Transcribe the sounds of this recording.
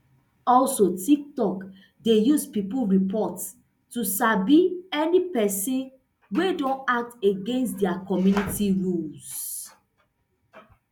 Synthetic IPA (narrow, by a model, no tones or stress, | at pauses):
ɔlsotik̚tɔk | dejuspipulɹipɔt | tusabiɛnipɛsĩn | wedɔ̃nak̚teɡẽnstdɛakɔmjunitiɹuls